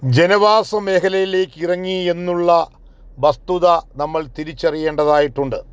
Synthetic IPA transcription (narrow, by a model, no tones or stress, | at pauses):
d͡ʑenɐʋaːsɐmːe̞ːkʰɐlɐjile̞ːkːirɐŋːie̞nːuɭːɐ | bɐst̪uðɐnɐmːɐɭt̪iɾit͡ɕːɐrije̞ːɳɖɐðaːjiʈːuɳɖɨ